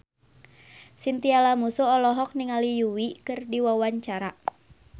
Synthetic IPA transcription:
sint̪ialamusuɔlɔɦɔk̚niŋalijuwikɨrdiwawaɲt͡ʃaɾa

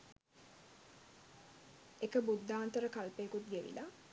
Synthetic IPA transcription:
ekəbud̪ːaːnt̪əɾəkalpeːkut̪̚ɡeʋḭla

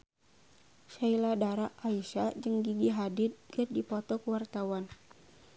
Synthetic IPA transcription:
ʃailadaɾaʔaiʃad͡ʒɨŋɡiɡiɦadɪt̪̚kərdipɔt̪ɔkəwart̪awan

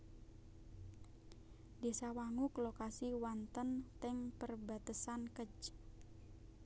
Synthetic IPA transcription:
desawaŋuklokasiwant̪ənt̪əŋpərbat̪əsankəd͡ʒ

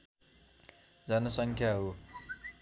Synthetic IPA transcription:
d͡zʌnʌsʌŋkʰjaɦu

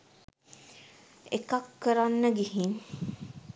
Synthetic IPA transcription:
ekakːəɾanːəɡiɦin

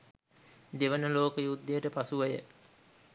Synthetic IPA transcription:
d̪eʋənəloːkəjud̪ːəjəʈəpasuʋəjə

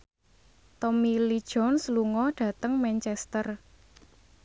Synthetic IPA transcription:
t̪ɔmilid̥ʒ̥ɔnsluŋɔɖ̥ä̤t̪əŋmɛnt͡ʃɛst̪ər

